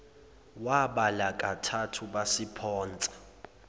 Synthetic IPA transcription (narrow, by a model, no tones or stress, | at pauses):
waɓalakʼatʰatʰuɓasipʰɔːnt͡sʼḁ